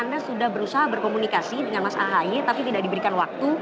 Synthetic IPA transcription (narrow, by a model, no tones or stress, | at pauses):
andasudahbəɾusaɦabərkomunikasidəŋanmasa̰laɦajet̪apit̪idak̚dibəɾikanwak̚t̪u